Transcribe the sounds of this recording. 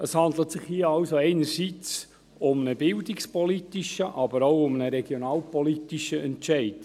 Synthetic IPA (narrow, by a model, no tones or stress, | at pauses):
əshɑndlətsɪχhiːəɑlsoɛɪnəɾsiːt͡s | ʊmnəbɪldikspɔlitiʃəʔɑbəɾoʊʊmnəɾɛɡ̥jonɑːlpɔlitiʃəʔɛntʃɛɪd̥